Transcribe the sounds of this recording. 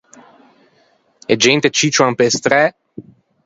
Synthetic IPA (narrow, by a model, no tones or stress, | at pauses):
ɛd͡ʒent̪et͡ʃit͡ʃwampest̪ɾɛ